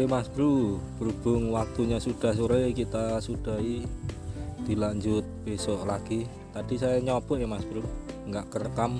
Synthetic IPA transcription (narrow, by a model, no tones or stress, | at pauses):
emasb̥ɾub̥ɾub̥ʊŋwak̚t̪uɲasuɖ̥a̤s̬uɾekit̪asuɖ̥a̤i | d̪̥i̤laɲd͡ʒʊt̪̚b̥esɔʔlaɡ̥i | t̪aɖ̥i̤sajaɲɔb̥ɔʔjemasb̥ɾuŋɡaʔkərkam